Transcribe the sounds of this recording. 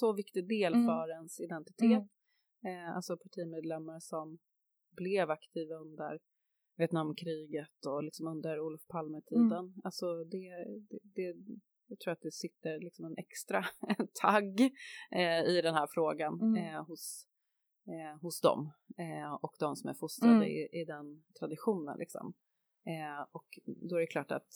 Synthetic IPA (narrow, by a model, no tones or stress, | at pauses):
sɔvɪkt̪ɪɡd̪eːlfœɾɛnsɪd̪ɛnt̪ɪt̪ʰeːt̪ | a̰lsɔpʰaʈʰiːmeːd̪lɛmːaɾʂɔm | blɪvakt̪ʰiːvaɵnd̪ə̰ɾ | vjɛt̪namːkʰɾiːɡət̪ɔlɪksɔmɵnd̪əɾuːlfpʰalmət̪ʰiːd̪ənalsɔd̪ɛd̪ɛd̪ɛ | jɑːɡt̪ʰɾuːɾat̪̚d̪ɛsɪt̪ːəɾlɪksɔmɛnɛkst̪ɾat̪ʰaɡː | ɪd̪ɛnhæːɾfɾoːɡanhʊs | hʊsd̪ɔ̰m | ɔkd̪ɔmsɔmæ̰ɾfʊst̪ɾad̪əɪ̰ʔɪd̪ɛnt̪ʰɾad̪ɪɧuːnə̰nlɪ̰ksɔ̰m | ɔkd̪ɔæɾɛkʰlɑːʈa̰t̪